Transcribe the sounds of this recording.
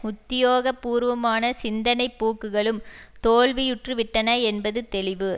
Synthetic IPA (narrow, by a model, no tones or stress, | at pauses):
ʊt̪ːɪjoːɣɐpːuːɾʋɐmaːnɐsɪnd̪ɐnɐɪpːuːkːɯɣɐɭɯmt̪oːɭʋɪjʊʈrɯʋɪʈːɐnɐɛnbɐðɯt̪ɛlɪʋɯ